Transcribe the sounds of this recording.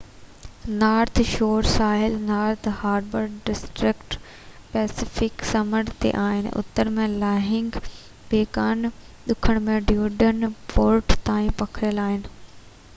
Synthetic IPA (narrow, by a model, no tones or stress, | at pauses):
naːɾt̪ʰʃoːɾsaːɦɪlnaːɾt̪ʰhaːɾbəɾɖɪsʈɾɪkʈ | pɛːsɪfɪksɐməɾt̪ḛʔaːɦɪnɪ̰ʔʊ̰t̪ːəɾmẽlaːɦɪ̃ŋɡ | beːkaːn | ɗ̪ʊkʰəɽ̃mẽɖjuːɖənpoːɾʈt̪aːĩpɐkʰɾɪjəlaːɦɪnɪ̆